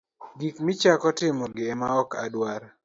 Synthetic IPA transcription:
ɡikmɪt͡ʃakɔtɪmɔɡɪɛmaɔka̰dwaɾ

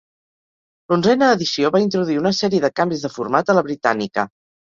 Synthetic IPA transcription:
lunzɛnəːðisioβaint̪ɾuðuiunəsɛɾiəðəkambizðəfurmat̪ələβɾit̪a̰nikə̰

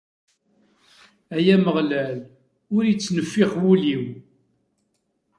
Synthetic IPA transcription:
æjæməʁlæl | ʊɾjət͡sːnəfːiχwuliw

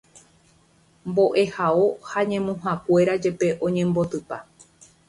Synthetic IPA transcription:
mbo̞ʔe̞hao̞haɲẽ̞mũɦakwe̞ɾad͡ʒe̞pe̞ʔõ̞ɲẽ̞mbo̞t̪ɨpa

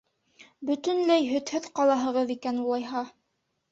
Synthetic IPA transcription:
bɵt̪ɵ̆nlæjɦɵ̆t̪hɘðqɑlˠɑɦɤ̆ʁɤðikænulˠɑjɦɑ

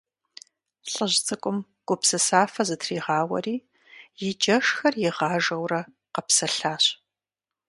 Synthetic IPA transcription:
ɬʼəʑt͡sʼɨkʷʼʊm | ɡ̥ʷʊpsɨsaːfɐzɨtʰriːʁɑːwɐ̰riː | jɪd͡ʒɐʂxɐrjɪʁɑːʒɐwrɐ | qɐpsɐɬaːɕ

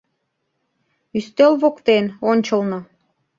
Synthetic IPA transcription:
yst̪ølβokt̪enonʲt͡ɕəlˠno

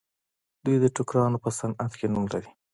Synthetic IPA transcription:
d̪ujd̪əʈʊkɾɑnopəsanat̪kenumlaɾi

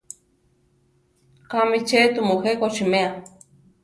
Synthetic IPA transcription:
kamit͡ʃet̪umuhekot͡ʃimea

